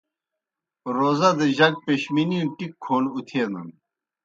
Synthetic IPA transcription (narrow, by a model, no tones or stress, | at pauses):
ɾoːzɐd̪eʑɐɡ̚peɕminiunʈikʰːoːnut̪ʰeːnɐ̰n